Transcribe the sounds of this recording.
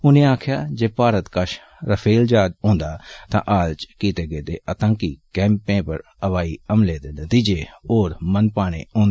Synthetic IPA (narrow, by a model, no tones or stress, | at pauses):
ʊnẽːaːkʰjaːd͡ʒeːpaːɾət̪kəʃ | ɾəpʰeːld͡ʒaːd̪õːnd̪aːt̪ã̰ːʔaːlt͡ʃkiːt̪eːɡeːd̪ḛːʔət̪ãːkikɛ̃ːmpẽːpə̰ɾ | əʋaːiːəmleːd̪eːnət̪iːd͡ʒeːoːɾmənpaːɽ̃ḛːõːnd̪